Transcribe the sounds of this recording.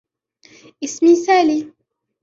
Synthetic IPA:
ismisali

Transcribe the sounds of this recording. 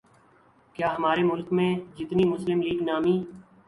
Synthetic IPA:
kjaːɦəmaːɾemʊlkmẽːd͡ʒɪt̪niːmʊslɪmliːɡnaːmiː

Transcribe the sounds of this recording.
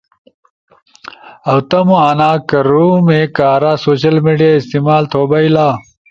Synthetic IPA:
ɐwt̪ɐmuɐnaːkɐɾumekaːɾaːsoːɕɐlmiɖijaːist̪imaːlt̪ʰoːbɐilaː

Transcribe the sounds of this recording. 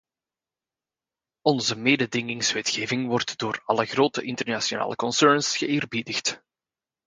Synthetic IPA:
ɔnzəmeːdədɪŋɪŋsʋɛtxeːvɪŋʋɔrtd̥oːrɑləɣroːtəʔɪntərnasiona̰ːləkɔnsœɹnsɣəeːrbidəxt

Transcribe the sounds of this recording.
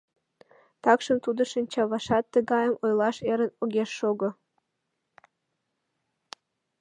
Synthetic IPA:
t̪ɑkʃə̆mt̪ud̪ɤ̆ʃənʲt͡ɕɑβɑʃɑt̪ːə̆ɡɑjəmojlˠɑʃeɾə̆noɣʲeʃːoɡɤ̆

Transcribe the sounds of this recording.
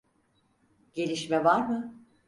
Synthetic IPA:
ɟ̥e̞lʲiʃmɛvaɾmɯ

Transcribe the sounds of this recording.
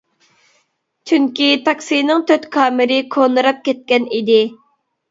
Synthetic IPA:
t͡ʃʰyŋkʲit̪ʰɑksijnɨŋt̪ʰøt̪kʰɑːmɪɾɪkʰonɨɾɑp̚kʲɛt̪̚kʲɛnid̪ɪ

